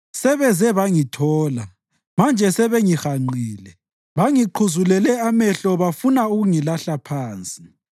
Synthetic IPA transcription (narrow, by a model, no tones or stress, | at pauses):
sɛβɛzɛβaŋitʰɔːla | mand͡ʒʱɛsɛβɛŋixaŋ͡ǃʱiːlɛ | βaŋiǃʰuzulɛlɛamɛɬɔβafunauɣuŋilaɬapʰaːnt͡sʼi̥